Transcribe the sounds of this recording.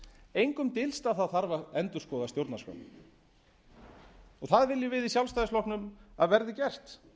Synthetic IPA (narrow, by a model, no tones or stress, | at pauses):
ejŋkʏmt̪ɪlst̪aθaðθaɾvaɛnt̪ʏɾ̥skɔwðat̪jowɾt̪nasœ̰n | ɔɣθaðvɪlːjɪvɪðisjawlst̪ajðɪslɔhknʏmaðvɛɾðɪcɛr̥t̪